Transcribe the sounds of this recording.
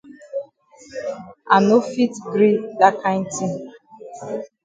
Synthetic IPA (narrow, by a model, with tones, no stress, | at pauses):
a˨no˦fi˦tɡɾi˦da˦ka˦ti˦